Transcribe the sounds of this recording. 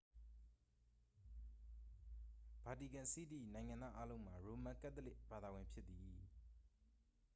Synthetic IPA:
b̥a˨di˨ɡã˨si˦d̪ḭ˦˨nã˨ɪ̃ŋã˨nd̪ða̰˦ʔa˦lõ˦ʊ̃m̥a˨ɹo˨mã˨ka˦ʔt̪ːəlɪ˦ʔb̥a˨d̪a˨wɪ̃˨mpʰjɪ˦t̪̚ːi˨

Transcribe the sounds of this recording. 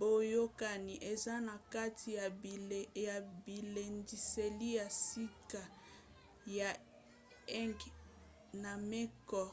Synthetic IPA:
bo˦jo˦ka˨ni˨ʔe˨za˦na˨ka˦tʰi˨ja˨ja˨bi˨le˨ndi˨se˨li˦ja˨si˦ka˨ | ja˨ | ɛ˦ŋɡ | na˨me˦kɔ˦˨

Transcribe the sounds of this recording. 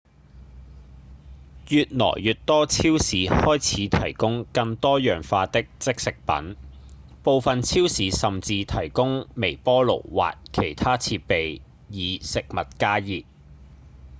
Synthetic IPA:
jyː˨t̚nɔ̰ː˨˩jjyː˨t̚t̪ɔː˥t͡sʰiː˥wsiː˨˥hɔː˥jt͡sʰiː˨˧t̪ʰɐ˨˩jkʊ˥ŋkɐ˧ŋt̪ɔː˥jœː˨ŋfaː˧t̪ɪ˥k̚t͡sɪ˥k̚sɪ˨k̚pɐ̰˨˥n | po˨˧wfɐ˨nt͡sʰiː˥wsiː˨˧sɐ˨mt͡siː˧t̪ʰɐ˨˩jkʊ˥ŋme˨˩jpɔː˥lo̰˨˩wwa̰ː˨t̚kʰe˨˩jt̪ʰaː˥t͡sʰiː˧t̚pe˨jː | iː˨˧sɪ˨k̚mɐ˨t̚kaː˥jiː˨˩t̚

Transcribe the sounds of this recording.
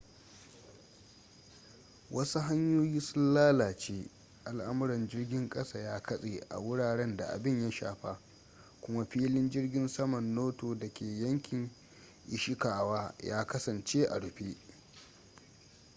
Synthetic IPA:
wʔɐ˦su˦ɦa˦ɲjoː˦jiː˦sʊ˦nlaː˦laː˨t͡ʃeː˦ | ʔa˨lʔa˦mʊ˦ɾɐ˨nd͡ʒɪ˦rɡʲɪ˦ŋkʼɐ˦sa˦˨jaː˦kʰɐ˦sʼeː˨ʔa̰˨wʊ˦ɽaː˨ɽɛ˦nda̰˨ʔa̰˨bɪ˦ɲja˦ʃa̰ː˨ɸa˦ | kʷʊ˦ma˦ɸiː˦lɪ˦nd͡ʒɪ˦rɡʲɪ˦nsɐ˦mɐ˨nːoː˦toː˨dɐ˨kʲʰeː˨jɐ˦ŋkʲɪ˨ŋ | ʔɪ˨ʃɪ˦kaː˨waː˦jaː˦kɐ˦sɐ˨nt͡ʃeː˦ʔa̰˨ɽʊ˨ɸe˦ʔ

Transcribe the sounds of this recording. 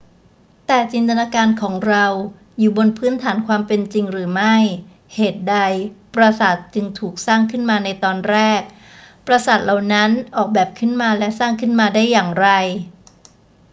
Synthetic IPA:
t̪ɛː˨˩t͡ɕi˧nt̪a˧naː˧kaː˧nkʰɔː˩˦ŋɾa˧w | juː˨˩bo˧npʰɯː˦˥nt̪ʰaː˩˦nkʰwaː˧mpe˧nt͡ɕi˧ŋɾɯː˩˦ma˥˩j | heː˨˩t̪̚da˧jpɾa˧sa˨˩t̪̚t͡ɕɯ˧ŋt̪ʰuː˨˩k̚saː˥˩ŋkʰɯ˥˩nmaː˧na˧jt̪ɔː˧nɾɛː˥˩k̚ | pɾa˧sa˨˩t̪̚la˨˩wna˦˥nʔɔː˨˩k̚bɛː˨˩p̚kʰɯ˥˩nmaː˧lɛ˦˥saː˥˩ŋkʰɯ˥˩nmaː˧daː˥˩jːaː˨˩ŋɾa˧j

